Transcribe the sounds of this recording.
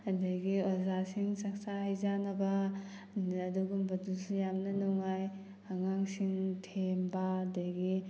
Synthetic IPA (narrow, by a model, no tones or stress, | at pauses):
ɐdɐjɡiozasiŋsɐk̚saɦajzanɐbɐ | ɐduɡumbɐdusijamnɐnɔŋaj | ɐŋaŋsiŋtʰembaɐdɐjɡi